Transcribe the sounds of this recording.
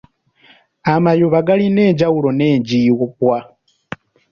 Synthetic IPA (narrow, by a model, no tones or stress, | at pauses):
amajoβaɡalineːd͡ʒawulɔneːɲd͡ʒiwɔpwa